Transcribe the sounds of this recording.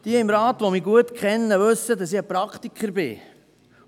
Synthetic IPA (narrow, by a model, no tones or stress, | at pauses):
d̥iəɪmɾɑːtʋomiːɡuətkχɛnːəʋɵsːədɑsiəpɾɑkt̪ikʰχəɾbɪ̰